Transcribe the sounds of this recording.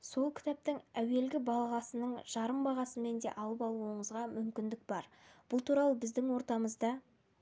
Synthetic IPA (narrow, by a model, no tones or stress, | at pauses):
so̞lˠkʲʰɪ̥t̪æp̚t̪ɪŋæwe̞lɡʲɪbɑlˠɑʁɑsənəɴʒ̥ɑɾəmbɑʁɑsəme̞nd̪e̞̰ʔɑlˠəpɑlˠuəɴəzʁɑmʏmkʲɪnd̪ɪk̚bɑɾb̥ʊlˠt̪ʰuɾɑlˠəbɪzd̪ɪŋwo̞ɾt̪ɑməzd̪ɑ